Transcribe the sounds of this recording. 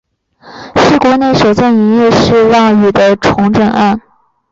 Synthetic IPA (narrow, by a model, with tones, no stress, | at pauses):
ʂɻ̩˥˩kwɔ˧˥ne˥˩ɪʂo˨˩ʊt͡sɔ˥˩ŋi˧˥njɛ˥˧ʂɻ̩˥˧ɻɑ˥˩ŋy˨˩d̪ə˦ʈ͡ʂʰʊ˧˥ŋʈ͡ʂə˨˩ŋa˥˩n